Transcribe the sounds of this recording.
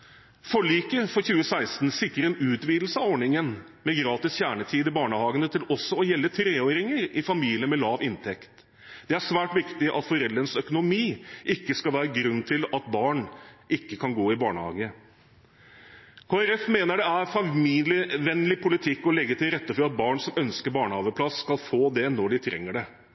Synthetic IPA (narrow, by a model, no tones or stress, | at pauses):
fɔɭiːkəfɔɾçʉːəsæɪst̪n̩sɪkːɾəɾɛnʉːt̪ʋiːd̪l̩səɑʋɔɳɪŋən | mɛɡɾɑːt̪ɪsçæːɳət̪ʰiːd̪ɪbɑːɳəhɑːɡənət̪ʰɪlɔsːɔɔjɛlːət̪ʰɾeːoːɾɪŋəɾɪfɑmiːlɪəmɛlɑːʋɪnt̪ʰɛkt̪ | d̪̥ɛæʂʋæːʈʋɪkt̪ɪʔɑt̪fɔɾɛlːɾənsœkʊnʊmiːʔɪkːəskɑlʋæːɾəɡɾʉnːt̪ʰɪlɑt̪̚bɑːɳʔɪkːəkʰɑnɡoːɪbɑːɳəhɑ̰ːɡə | kʰoːæɾɛfmeːnəɖɛæɾfɑmiːlɪʋɛnlɪpʰʊlɪt̪ʰɪkːɔlɛɡːət̪ʰɪlɾɛt̪ːəfɔɾɑt̪̚bɑːɳsɔmœnskəɾbɑːɳəhɑːʋəpʰlɑsːkɑlfoːd̪ɛnːɔɖɪt̪ʰɾɛ̰ŋːəɖɛ